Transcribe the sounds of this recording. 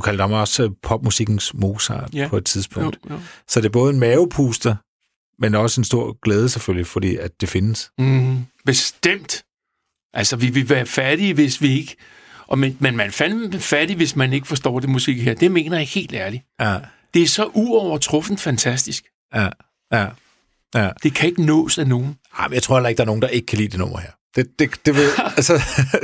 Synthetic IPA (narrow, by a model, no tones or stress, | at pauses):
ukʰæld̥hamɒ̽spʰɒ̽b̥̚musiɡ̥n̩smo̝ːsɑ̰̥̈ːpʰɒ̽e̝d̥̚t͡sʰiðˠsb̥ʰɔ̰̽d̥sɒd̥e̝ɐb̥ɔ̽ːð̞̩ˠenmɛːʊpʰuːsd̥ɐ | menɒ̽səe̝nsd̥o̝ɐ̰ɡ̥leːð̞ˠəseføljifɒ̽d̥ḭːæd̥̚e̝fe̝nəs | b̥e̝sd̥em̰d̥ | ʔælsɒʋiʋe̝ʋæːɐfæɐɾ̥iʋe̝sʋie̝ɡ̥ə | ʔɒ̽menmenmænfænfæɐɾ̥iʋe̝smæne̝ɡ̥əfɒ̽sd̥ɒ̰ːd̥e̝musɡ̥e̝̰ːheɐ̰d̥e̝me̝̰ːnɐjahe̝̰ːld̥æɐli | d̥e̝æɐsɒ̽ʔuɒʊ̰ɐt͡sʰʁɔ̽fn̩d̥fænt͡sʰæsd̥isɡ̥ | jæ | jæ | æd̥e̝kʰæe̝ɡ̥ənɔ̰̽ːsæno̝ːn̩ | ɑ̈ɪmenjaɪt͡sʰʁo̰ɐelɐeɡ̥d̥ɑɐnoːnd̥ɑ̈ʔe̝ɡ̥ə̥kʰælḭːd̥e̝nɔ̽m̰ɐheɐ̰d̥ed̥ed̥e̝ʋeðˠsɒ